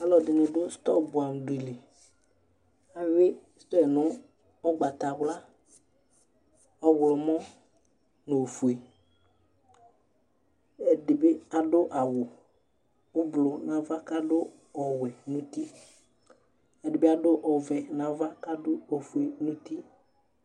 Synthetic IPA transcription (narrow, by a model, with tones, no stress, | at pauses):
a˦lɔ˨dɪ˨nʊ̃˨dʊ˦st̪ɔ˦bʊ˨a˨m˨dʊ˨i˨le˨ | a˨ɥɪ˦st̪ɔ˦ɛ˨nʊ˦ | ɔ˦ɡ͡ba˨t̪a˨wla˦ | ɔ˦wʊ˨lʊ˨mɔ˦ | no˨fu˨e˨ | ɛ˨dɪ˨bɪ˦a˨dʊ˦ʔa˨wʊ˨ | ʊ˦blʊ˨nã˨va˦ka˦dʊ˦ | ɔ˨wɛ˨nũ˦ti˦ | ɛ˨dɪ˨bɪ˦a˦dʊ˦ʔɔ˨vɛ˨nã˨va˦ka˦dʊ˦o˨fu˨e˨nũ˦t̪i˦